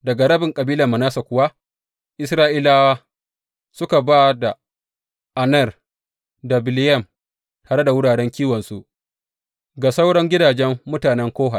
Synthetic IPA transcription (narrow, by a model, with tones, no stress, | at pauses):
dɐ˨ɡa˨ɽɐ˦bɪ˨ŋkʼɐ˨biː˦lɐ˨mɐ˨naː˦sa˨kʷʊ˨wa˦ | ʔɪ˦sɾaː˦ʔiː˦laː˦waː˦ | sʊ˦ka˨baː˦da˨ | ʔa˨nɐ˦˨r | da˨bɪ˨lɪ˦jɐ˦˨m | taː˨ɽe˦da˨wʊ˦ɽaː˨ɽɛ˦ŋkʲiː˦wɔ˨nsu˦ʔ | ɡa˨sa˦wɽɔ˦ŋɡʲɪ˦daː˨d͡ʒɛ˦mːʊ˦taː˨nɛ˦ŋkʷoː˦ɦa˨